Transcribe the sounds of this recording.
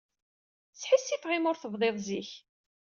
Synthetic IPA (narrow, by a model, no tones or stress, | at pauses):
t͡sːħisːifʁimʊɾθəvðˤeðˤziç